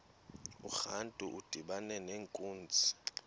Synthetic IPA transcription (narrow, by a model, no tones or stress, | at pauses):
uxantʼuʔud̥ʱiɓanɛneːŋkʼuːnt͡sʼi̥